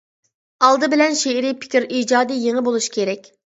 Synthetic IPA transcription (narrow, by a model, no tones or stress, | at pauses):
ɑlˠd̪ɨbɪlɛnʃeɾɪpʰɪ̥kʲiɾiːd͡ʒɑːd̪ɨjeŋɨbolˠuʃkʲʰeɾɛkʲ